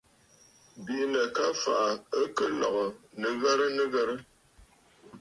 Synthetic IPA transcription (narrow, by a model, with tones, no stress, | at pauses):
bi˨˦nə˨ka˦fa˨ʔa˨ə˦kə˦lɔ̰˨ɣɔ˨nɨ˨ɣɛ˦ɾə˦nɨ˦ɣɛ˦ɾə˦